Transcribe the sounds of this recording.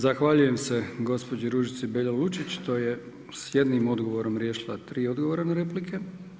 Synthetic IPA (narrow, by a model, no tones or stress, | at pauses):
zaxʋaʎuje̞mse̞ɡo̞spo̞d͡ʑiɾuʒit̪sibeʎolut͡ʃit͡ɕt̪oje̞ | sje̞d̪nimo̞d̪ɡo̞ʋo̞ɾo̞mɾjeʃilˠat̪ɾiːo̞d̪ɡoʋoɾanaɾe̞plikʰe̞